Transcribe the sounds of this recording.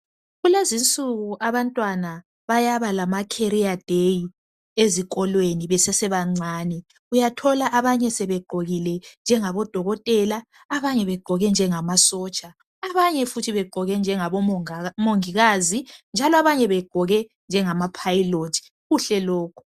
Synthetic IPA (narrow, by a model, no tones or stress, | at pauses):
ɣulezint͡sʼuɣuʔaβantʼwana | βajaβalamakʰeɾiad̥ʱeji | ezikʼɔlweniβɛsɛsɛβaŋ͡ǀʱaːnɛ | ujatʰɔlaʔaβaɲɛsɛβɛɡ͡ǃ̥ʱoɣilɛnd͡ʒʱɛŋaβɔd̥ʱɔɣɔtʼɛlaː | βaɲɛβɛɡ͡ǃ̥ʱɔɣɛnd͡ʒʱɛŋamasɔːt͡ʃʼaː | βaɲɛfutʰiβɛɡ͡ǃʱɔɣɛnd͡ʒʱɛŋaβɔmoŋiɣazind͡ʒʱalɔaβaɲɛβɛɡ͡ǃ̥ʱɔɣɛ | nd͡ʒʱɛŋamapʰajilotʰi̥ | ɣuɬɛlɔːkʰu̥